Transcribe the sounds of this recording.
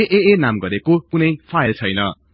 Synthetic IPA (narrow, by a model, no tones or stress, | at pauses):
eʔeenamɡʌɾekokunʌjpʰajʌlt͡sʰʌjnʌ